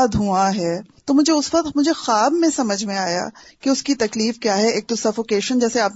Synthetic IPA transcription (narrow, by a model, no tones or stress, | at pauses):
d̪ʱuaɦɛːt̪omʊd͡ʒʱeʊsʋɐqt̪mʊd͡ʒʱexaːbmẽsɐməd͡ʒʱmẽaːja̰ːkeʊskit̪ɐkliːfkjaːɦɛeːk̚ʈʊsɐfokeːʃənd͡ʒɛːseaːp